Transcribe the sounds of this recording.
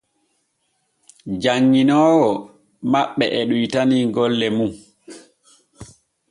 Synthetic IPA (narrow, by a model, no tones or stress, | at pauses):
d͡ʒaŋːinɔːwɔ | maɓːɛʔɛɗujtaniŋɡɔlːɛmum